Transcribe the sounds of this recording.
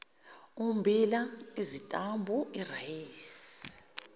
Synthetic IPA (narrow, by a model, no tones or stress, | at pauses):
umbʱilaizitʼambʱuʔirajiːs